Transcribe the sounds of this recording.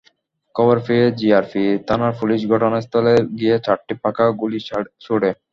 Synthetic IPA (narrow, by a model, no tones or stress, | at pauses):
kɔbaɾfied͡ʑiaɾfit̪anaɾpuliʃɡʱɔʈonast̪ʰɔleɡiet͡ɕaʈʈipakaɡuliʃoɽe